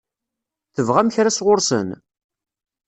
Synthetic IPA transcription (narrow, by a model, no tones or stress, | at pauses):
θəvʁæmçɾasʁʊɾsə̰n